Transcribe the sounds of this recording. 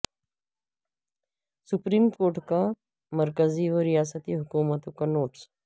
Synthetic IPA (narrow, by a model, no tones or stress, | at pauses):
sʊpɾiːmkoːɾʈka | mɐɾkəziʋəɾijaːsət̪iɦʊkuːmət̪õkanoːʈs